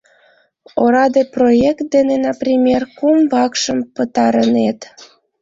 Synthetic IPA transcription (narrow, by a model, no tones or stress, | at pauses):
oɾɑd̪eprojekt̪̚d̪enenɑprʲimʲerkumvɑkʃəmpət̪ɑɾənet̪